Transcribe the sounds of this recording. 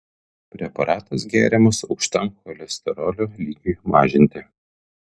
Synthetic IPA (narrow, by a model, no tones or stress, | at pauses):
pʲɾʲɛpɐɾʔɑːt̪ɐs̬ɡʲæːɾʲɛmɐsɒʊkʃʲt̪ʲɐŋkɔlʲɛsʲt̪ʲɛɾoːlʲoːlʲiːɡʲuːmɑːʒʲɪnʲt̪ʲɪ